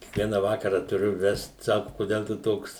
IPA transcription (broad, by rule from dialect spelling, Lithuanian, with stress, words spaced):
kʲiɛkˈʋʲiɛnɐ ˈʋɑːkɐrɐ tʊˈrʲʊ ˈʋʲɛst ˈsɑːkʊ koːˈdʲɛlˠ tʊ ˈtoːks